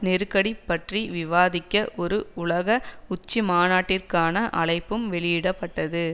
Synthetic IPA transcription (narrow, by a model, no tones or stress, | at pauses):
nɛɾɯkɐɽipːɐʈriʋɪʋaːðɪkːɐʔɔɾɯʊlɐɣɐʊt͡ʃːimaːnaːʈːɪrkaːnɐʔɐɭɐɪpːɯmʋɛɭɪjɪɽɐpːɐʈːɐðɯ